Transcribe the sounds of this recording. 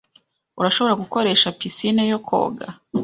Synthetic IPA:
uɾaʃo̞βoɾaɡuko̞ɾe̞ːʃapisinejokʰo̞̰ːɡa̰

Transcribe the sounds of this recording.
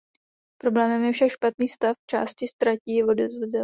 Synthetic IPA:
pɾo̞blɛːmɛmjɛfʃakʃpat̪niːst̪aft͡ʃa̰ːscɪst̪ɾaciːvo̞dɛzvoɟɛ

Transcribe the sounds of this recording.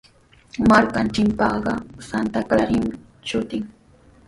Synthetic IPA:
maɾkant͡ʃɪmpɑɢɑsant̪akaɾɪm | t͡ʃʊt̪ɪŋ

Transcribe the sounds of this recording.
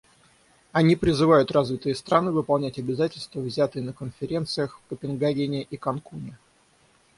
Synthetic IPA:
ɐnʲipɾʲɪzɨvajʊt̪razvʲɪt̪ɨjəst̪ɾanɨvɨpɐlˠnʲætʲɐbʲɪzatʲɪlʲst̪vəvzʲat̪ɨjənəkənfʲɪɾʲe̞nt̪sɨjəxfkəpʲɪnɡaɡʲɪnʲɪʔikɐnkunʲɪ

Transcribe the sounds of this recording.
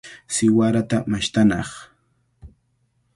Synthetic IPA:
sɪwaɾat̪amaʃt̪anɑχ

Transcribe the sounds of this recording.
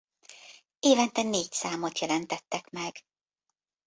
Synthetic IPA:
eːvɛnt̪ɛneːcsaːmo̞t̪jɛlɛnt̪ɛt̪ːɛkmɛɡ̥

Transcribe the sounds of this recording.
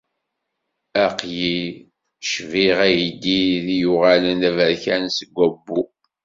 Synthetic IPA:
æqji | ʃviʁæjid̪ːiðijuʁalənævəɾçænsəɡʷːæbːu

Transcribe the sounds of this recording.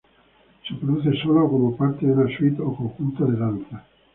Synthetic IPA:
sipɾod̪uθesolokomopaɾt̪ed̪unaswit̪okokult̪ad̪ed̪ant̪θa

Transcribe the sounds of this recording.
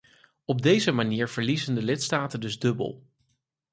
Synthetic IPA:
ɔb̚dejzəmaniːɹv̥əɹlizəndəlɪtstaːtəndɵzdɵbə̰lˠ

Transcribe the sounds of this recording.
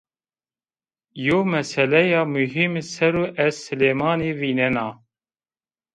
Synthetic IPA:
joːmɛsɛlɛjɑːmuɦimsɛɾuːʔɛzsɨleːmɑːneːviːnɛnɑː

